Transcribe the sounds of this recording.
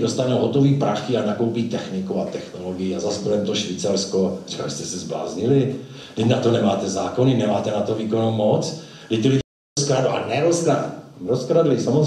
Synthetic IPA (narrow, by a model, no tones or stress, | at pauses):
dost̪anowɦot̪o̞viːpɾaxɪanakowpiːt̪ɛxnɪkuat̪ɛxno̞loɡɪjiazasboɾɛmt̪oʃviːt͡saɾskori̥ka̰ɪst̪ɛsɛzbla̰ːzɲɪlɪ | dɪcnat̪onɛmaːt̪ɛzaːko̞nɪnɛmaːt̪ɛnat̪oviːkonomot͡s | dɪc̚t̪ɪlɪɟ | skɾaduʔa̰nɛɾoskɾadɾoskɾadlɪsamo